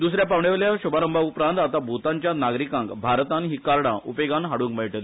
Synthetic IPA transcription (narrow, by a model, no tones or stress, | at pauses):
d̪usɾjapaʋɳeʋljaɕubaləmbʱaupɾãnt̪at̪abʱut̪aɲt͡ɕjanaɡɾikãŋkbʱaɾt̪anɦikaɾɽãʔupeɡanɦaɽũːŋkməjʈəl